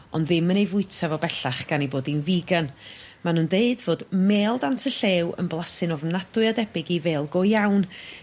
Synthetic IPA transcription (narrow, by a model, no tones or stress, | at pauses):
ɔ̰ndðɨmənejvʊɨtʰavɔbɛɬaχɡ̥aniboːdinviːɡan | manuːndeɨdvoːdmeːlˠdantʰəɬeːwə̰nblˠasɨnɔvnadʊɨadɛbɪɡiveːlˠɡɔjawn